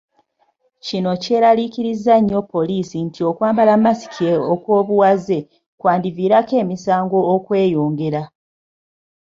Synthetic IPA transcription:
cino̞ce̞ːɾalikiɾizaɲːo̞pːo̞liːsintʰio̞kwaːmbalamːasi̥kʰeokwo̞ːβuwaze̞ | kwaːndiviːɾake̞ːmisaːŋɡo̞ːkwe̞ːjoːŋɡe̞ɾa

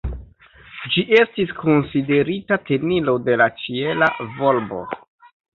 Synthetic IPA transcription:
d͡ʒiʔe̞stisko̞nside̞ɾitate̞nilo̞de̞lat͡ʃie̞lavo̞lbo̞̰

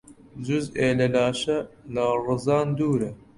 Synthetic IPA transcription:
zuzeːlɐlɑːʃɐlɐrɨzɑːnd̪uːɾɐ

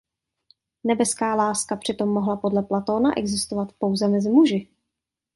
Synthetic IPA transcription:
nɛbɛskaːlaːskapr̝̥ɪt̪o̞mːoɦlapo̞dlɛplat̪o̞ːnaʔɛ̰ɡzɪst̪ovat̪po̞wzɛmɛzɪmuʒɪ

